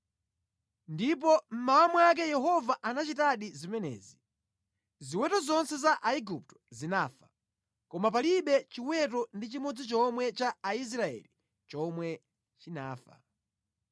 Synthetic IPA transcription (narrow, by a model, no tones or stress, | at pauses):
ndip̬ɔm̩maːmuak̬ɛjɛɦɔvaʔanat͡ʃitaɗizimɛnɛ̰ːzi | ziwɛtɔzɔnsɛzaʔaiɡup̚tɔ̥zinaːfḁ | kɔmap̬aliɓɛt͡ʃiwɛt̬ɔndit͡ʃimɔd͡zit͡ʃɔmwɛt͡ʃaais̬ɾaɛ̰li | t͡ʃɔmwɛ | t͡ʃina̰ːfa̰